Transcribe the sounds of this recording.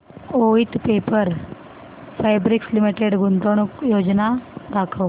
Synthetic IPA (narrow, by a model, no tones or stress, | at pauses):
oit̪pepəɾ | fajbɾikslimiʈeɖɡunt̪oɳ̃ukjoːd͡ʒnad̪akʰəʋ